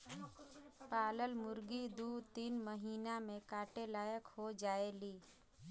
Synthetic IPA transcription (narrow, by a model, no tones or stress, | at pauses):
paːləlmʊɾɡid̪uːt̪iːnməɦiːnamẽkaːʈelaːjəkhod͡ʒaːeliː